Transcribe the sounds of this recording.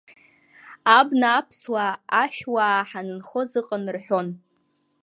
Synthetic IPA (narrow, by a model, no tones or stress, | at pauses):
abnaːpʰswaaʃᶣwaħanɨnχo̞zɨqʼənrħʷᶣo̞n